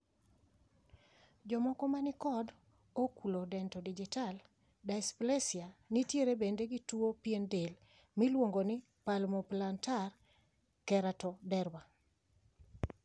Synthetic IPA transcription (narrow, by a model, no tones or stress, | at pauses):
d͡ʒɔmɔkɔmanɪkɔd | okulodɛntɔdid͡ʒital | dajsplesjanitjeɾebendeɡituopjendel | milwoŋɡonɪ | palmɔplantar | kɛɾatɔdɛɾwa